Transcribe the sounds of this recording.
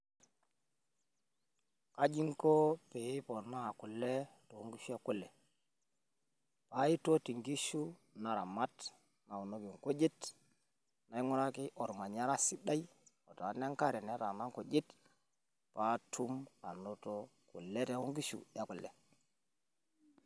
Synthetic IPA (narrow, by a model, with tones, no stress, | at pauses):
a˦d͡ʒi˦ŋko˦pe˨ji˦po˨naː˦˨ku˨le˦to˨u˦ŋɡi˦ʃu˦ja˦ku˦lːe˨ | pa˦i˦to˦ti˨ŋɡi˦ʃu˦na˨ɾa˨ma˦t | na˨u˨no˦ki˨ŋko˦d͡ʒi˦t | na˨i˦ŋu˦ɾa˦ki˦ʔo˨ɾma˨ɲa˦ɾa˦si˦da˦i˦ | o˨to˨a˨˦ne˦ŋka˦ɾe˨ne˦ɾa˨na˦ŋko˨d͡ʒi˦t | pa˦tʰu˦ma˨no˦to˦ku˨le˦ta˦u˦ŋɡi˦ʃṵ˨ja˦ku˨lḛ˨